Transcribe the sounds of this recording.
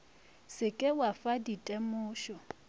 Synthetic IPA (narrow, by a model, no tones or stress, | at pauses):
sɪkʼɪwafaditʼemʊːʃɔ